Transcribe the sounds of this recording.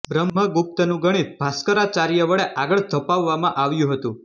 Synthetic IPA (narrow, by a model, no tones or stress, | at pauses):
bɾəmɦəɡup̚t̪ənũɡəɽ̃it̪bʱaskəɾat͡ʃaɾjəʋəɭeʔaɡəɭt̪əpaʋːamãʔaʋjũɦət̪ũ